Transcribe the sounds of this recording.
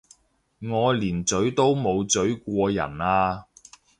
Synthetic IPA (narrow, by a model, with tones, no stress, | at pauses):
ŋɔː˨˧liː˨˩nt͡sɵ˨˥ɥt̪o˥wmo˨˧wt͡sɵ˨˥ɥkʷɔː˧jɐ̰˨˩naː˧